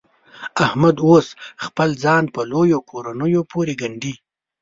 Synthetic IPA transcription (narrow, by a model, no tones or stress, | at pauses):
ahmad̪osxpəlzɑːnpəlojokʰoɾanəjopoɾeɡaɳɖi